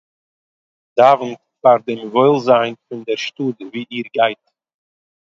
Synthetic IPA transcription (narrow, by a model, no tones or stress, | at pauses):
davn̩t | faɾdɪmvɔɪlˠzaɪnfɪndɛɾʃtuːdəviːiːɾɡaɪt